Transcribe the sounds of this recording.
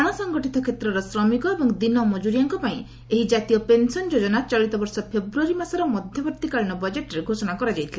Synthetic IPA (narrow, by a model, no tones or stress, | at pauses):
aɽ̃ɔsɔŋɡɔʈit̪ɔkʰet̪ɾɔɾɔsɾɔmikɔebɔŋd̪inɔmɔd͡ʒuɾijaŋkɔpaĩ | eɦid͡ʒat̪ijɔpensɔnd͡ʒod͡ʒɔnat͡ʃɔɭit̪ɔbɔɾsɔpʰebɾuaɾimasɔɾɔmɔd̪ʱjɔbɔɾt̪ikaɭñɔbɔd͡ʒeʈɔɾeɡʱosɔɽ̃akɔɾad͡ʒajt̪ʰile